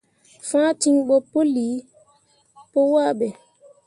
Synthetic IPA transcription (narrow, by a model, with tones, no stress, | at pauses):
fã˦ti˦ŋɓɔ˦pːo˦li˨˦ | po˦waː˦˨ɓɛ˨